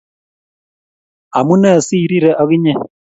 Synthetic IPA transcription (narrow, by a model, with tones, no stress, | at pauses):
a˨mu˦na˦˨si˦˨ɾi˦ɾɛ˨ʔa˦ɣi˦ɲɛ˦